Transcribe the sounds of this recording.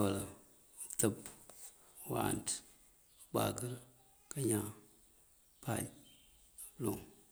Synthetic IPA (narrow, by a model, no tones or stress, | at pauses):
ala | təp | wa̰nt | k͡pa̰ɡəɾ | kaɲã | pʰa̰ɲ | loŋ